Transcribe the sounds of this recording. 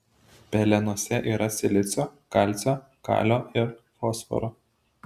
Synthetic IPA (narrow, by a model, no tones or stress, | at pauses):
pʲɛlʲɛnuɔsʲɛʔiːɾɐsʲɪlʲɪt̪sʲoːkɑˑlʲt̪sʲoː | kɑ̰ːlʲoːɪɾfoːsfɔ̰ɾoː